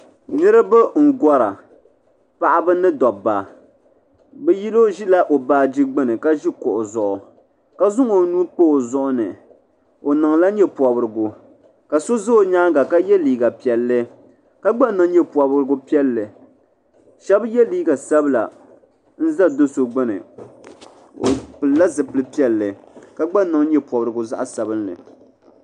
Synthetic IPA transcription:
nɨ˦ɾɨ˦bɨ˦ŋ̩˨ɡɔ˦ɾa̰˨ | pa˨ʔa˦bɨ˦nɨ˦dɔ˨ba˨ | bɛ˦ji˦lo˦ʒi˦la˦ʔo˨baː˨˦d͡ʒi˦ɡ͡bɨ˦nɨ˨ka˦ʒi˦kʊ˨ʔʊ˨zʊ˨ʔʊ˨ | ka˦zʊ˦ŋo˨nuː˦k͡po˦˨zʊ˦ʔʊ˦nɨ̰˨ | o˨nɨ˨ŋla˦ɲɛ˦pɔ˨bɨ˨ɾɨ˨ɡʊ˨ | ka˨so˦zɨ˦o˨ɲaː˦ɡa˨ka˦jɛ˦liː˨ɡa˨pi˨ɛ˨lːɨ˦ | ka˦ɡ͡ba˦nɨ˨ŋ˦ɲɛ˦pwɔ˨bɾɨ˦ɡʊ˦pɛ˦lːɨ˨ | ʃɛ˦bjɛ˦liː˦ɡa˨sa˦bla˨ | n̩˦za˦do˦so˨ɡ͡bɨ˦nɨ̰˨ | o̰˨pɨ˨lla˦zɨ˨pɨ˨lɨ˦pi˦ɛ˦lːɨ˨ka˦ɡ͡ba˦nɨ˨ŋ˦ɲɛ˦pɔ˨bɾɨ˨ɡʊ˨za̰˦ʔa˦sa˨bɨ˦nlɨ̰˨

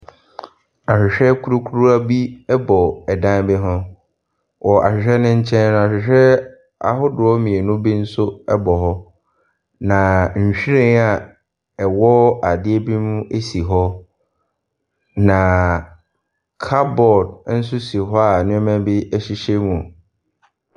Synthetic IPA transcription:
a˨ɕᶣɪ˨ɕᶣɛ˦kʰu˦ɾu˦kʰu˦ɾu˦a˦bi˦ɛ˦bɔ˨ɛ˨dã˦nbɪ˦ɦʊ̃˦ | wʔɔ˨ʔa̰˨ɕᶣɪ˨ɕᶣɛ˦nʊ̃˦ɲ̩˦t͡ɕʰɛ̃˦n˦nʊ̃˦˨a˨ɕᶣɪ˨ɕᶣɛ˦ | a̰˨ɦʊ˦dʊ˨ɔ˦mĩ˨e˨nʊ̃˦bi˦n̩˦sʊ˦ɛ˦bɔ˨ɦɔ˦ | nã˨ɕᶣi˦ɾẽ˦ŋa˨ | ɛ˨wɔ˦a˨dɪ˦e˦bi˦mʊ̃˦e˦si˨ɦɔ˦ | nã˨ | kʰa˦bɔ˨dn̩˦sʊ˦si˨ɦɔ˦a˨nʊ̃˦ɛ˦mɛ̃˦bɪ˦ɛ˦ɕi˦ɕe˦mũ˨

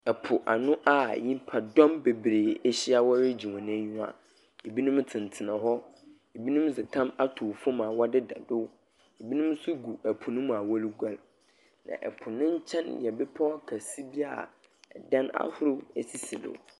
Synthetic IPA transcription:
ɛ˨pʰʊ˨ʔa̰˨nʊ̃˦ʔa˨ɲĩ˦pʰa˨dɔ̃˦mbe˨bɾeː˨ɛ˦ɕi˦a˨wɔ˦ɾɪ˦d͡ʑi˨wã˨nã˦ɲũ˦a̰˨ | e˨bi˦nũ˦m˦tʰɪ̃˨n˨tʰɪ˨nã˨ɦɔ˦ | e˨bi˦nũ˦m˦d͡zɪ˨tʰã˦ma˦tʰʊ˨fʊ˦mã˨wɔ˦dɪ˦da˨dʊ˦ | e˨bi˦nũ˦m˦sʊ˦ɡu˨æ˨pʰʊ˨nʊ̃˦m˨a˨wɔ˦li˦ɡʷa˦l | nã̰˨ʔɛ̰˨pʰʊ˨nʊ̃˦ɲ̩˦t͡ɕʰɛ̃˦njɛ˨bɛ˦pʰɔ˦a˦kʰa˨si˦bi˦a̰˨ | ɛ˨dã˦na̰˦hʊ˦ɾʊ˦æ˨si˨si˨lʊ̰˨

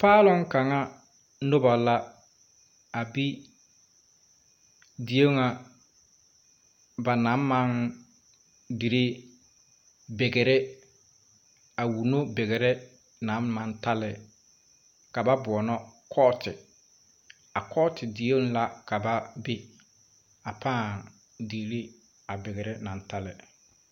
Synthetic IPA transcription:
paː˦lɔ˦ŋ˦ka˨ŋa˦ | no˦ba˨la˦ | a˨bi˦ | di˨o˦ŋa˨ | ba˨na˨˦m˦ma˦n | di˨ɾe˦ | be˨ɡɛ˨ɾɛ˦ | a˨wu˨no˦be˨ɣɛ˨ɾɛ˦ | naː˨˦a˨nta˦lɪ˨ | ka˨ba˦bʊ˨ɔ˨nɔ˦kʰɔ˦tʰɪ˨ | a˨kʰɔ˦tʰɪ˨di˨jo˦ŋ˦la˦ka˨ba˦be˦ | a˨pʰãː˦˨ | di˨ɾi˦ | a˨be˨ɣɛ˨ɾɛ˦na˨n˦ta˦lɪ˨

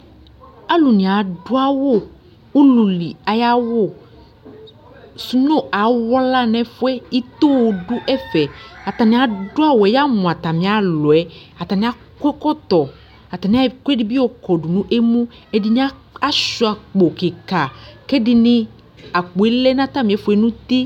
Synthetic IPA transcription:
a˦lu˨nĩ˨a˨ɖu˦a˦wo˦˨ | u˦lu˨li˨a˨ja˦wo˦˨ | su˦nõ˦a˨wɔ˦la˦nɛ̃˨fu˦ɛ˦i˦t̪o˦wo˨ɖu˦ʔɛ˦fɛ˨a˨t̪a˨nĩ˨a˨du˦a˦wo˨ɛ˨ja˦mũ˨a˨t̪a˨mĩ˨˦a˨lɔ˨ɛ˦ | a˨t̪a˨nĩ˨˦a˦ | ke˦kɔ˦t̪ɔ˨ | a˨t̪a˨nĩ˨a˦ko˦e˦di˦bi˦wo˦kɔ˨du˨nũ˦ʔe˦mũ˦e˦di˦nĩ˦a˦a˦ʃu˦a˨k͡po˨ke˨ka˨ke˦di˦nĩ˦ | a˨k͡po˨e˦lɛ˦nã˦t̪a˦mĩ˨ɛ˨fo˨ɛ˨nũ˦t̪i˦

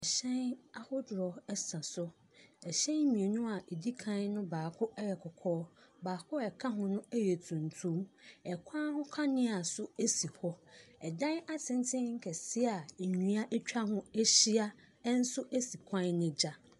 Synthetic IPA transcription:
ɛ˨ɕɛ̃˦na˦hʊ˦dɾɔ˨ɛ˦sã˨sʊ˦ | ɛ˨ɕɛ̃˦mĩ˨e˨nʊ̃˦a˨ʔe˨di˦kʰã˦nnʊ̃˦baː˨kʰʊ˦ɛ˦jɛ˨kʰɔ˨kʰɔː˦baː˨kʰʊ˦ɛ˨kʰa˦ɦʊ̃˨nʊ̃˦ɛ˦jɛ˨tʰũ˨n˨tʰũ˦mɛ˨kʷʰã˦hʊ̃˦kʰa˦nɪ̃˦a˨sʊ˦e˦si˨hʰɔ˦ɛ˨dã˦na˦tʰɪ̃˨n˦tʰɪ̃˦ŋ̩˦kʰɛ˨si˦a˨e˨ɲĩ˨a˦ʔɛ˦t͡ɕᶣa˦ɦʊ̃˦ɛ˦ɕi˦a˦ | n̩˦sʊ˦ʔæ˦si˨kʷʰã˦nnɪ̃˨d͡ʑa˦

